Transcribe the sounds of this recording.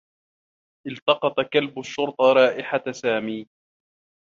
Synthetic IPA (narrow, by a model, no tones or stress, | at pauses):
ʔɪlt̪ɑqɑt̪kalbʊʃːʊɾt̪ˤɑɾˤɑːʔɪħasaːmiː